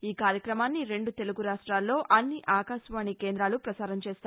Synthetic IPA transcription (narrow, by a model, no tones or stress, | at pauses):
iːkaːɾjɐkɾɐmaːnːiɾe̞ɳɖut̪e̞luɡuɾaːʂʈɾaːlːo̞ːʔʔɐnːiʔʔaːkaːʃʋaːɳike̞ːnd̪ɾaːlupɾɐsaːɾɐmt͡ʃeːst̪ː